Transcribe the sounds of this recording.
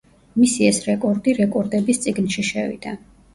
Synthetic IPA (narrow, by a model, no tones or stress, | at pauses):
misiɛsɾɛkʼɔɾd̪iɾɛkʼɔɾd̪ɛbist̪sʼiɡnʃiʃɛvḭd̪̥a